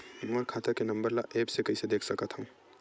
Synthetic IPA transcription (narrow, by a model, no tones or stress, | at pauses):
əɾkʰaːt̪əkenɐ̃mbəɾlaʔeːpsekɐised̪eːkʰsɐkət̪ɦəũ